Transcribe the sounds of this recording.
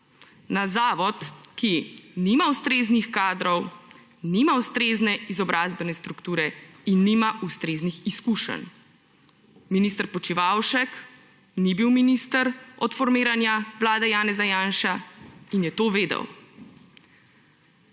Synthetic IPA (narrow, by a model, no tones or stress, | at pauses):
nazaːʋɔt̪kinimawst̪ɾeːznixkaːd̪ɾɔw | nimawst̪ɾeːznɛizɔbɾʔaːzbɛnɛst̪ɾukt̪uːɾɛinːimaʔust̪ɾeːznixiskuːʃə̰n | minist̪əɾpɔt͡ʃiʋawʃək | nibiwminist̪əɾɔt̪fɔɾmeːɾanjaʋlaːd̪ɛjaːnɛzajaːnʃainjɛt̪oːʋeːd̪ə̰w